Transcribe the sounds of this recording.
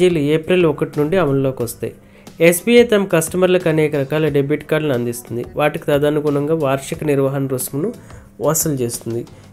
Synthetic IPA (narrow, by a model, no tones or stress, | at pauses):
iːlueːpɾilɔkɐʈinuɳɖiɐmɐllo̞ːkiʋɐst̪ɐ̰ːji | esbiːeːt̪ɐmɐkɐsʈɐmɐɾlɐkɐnɛːkɐɾɐkaːlɐɖebuʈːkaːɾɖnɐnd̪ist̪und̪iʋaːʈikit̪ɐd̪aːnuɡuːnɐŋɡaːʋaːɾʂikɐniɾʋaɦɐnɐɾusmɐnu | ʋɔːsɐlt͡ʃe̞ːst̪und̪i